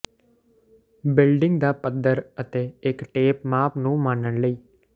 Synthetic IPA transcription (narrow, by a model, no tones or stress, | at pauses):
bɪlɖɪŋɡd̪aːpəd̪ːəɾət̪eːɪkʈeːpmaːpnũːmaːnənləiː